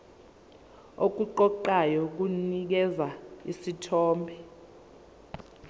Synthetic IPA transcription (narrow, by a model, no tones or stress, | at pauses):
ok̬ʼuǃɔǃajɔk̬unik̬ɛzaḭsitʰɔːmbʱɛ